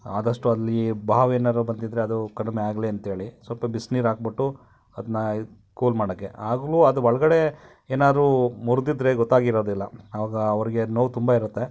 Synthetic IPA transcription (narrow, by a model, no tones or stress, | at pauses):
aːd̪ɐʂʈuɐlːibʱaːʋeːnaɾubɐnd̪id̪ɾeɐd̪ukɐɽumeaːɡleɐnt̪ɦeːɭisʋɐlpɐbisniːɾaːɡ̚biʈːu | ɐd̪ɐnːɐ | kuːlmaːɽɐkːe̞aːɡɐluɐd̪uʋɐɭɐɡɐɽe̞ | eːnaːd̪ɾumuɾud̪id̪ɾeɡɔt̪ːaːɡiɾo̞ːd̪ilːɐɐʋaːɡɐɐʋɐɾiɡe̞noːʋt̪umbɐiɾut̪ːe̞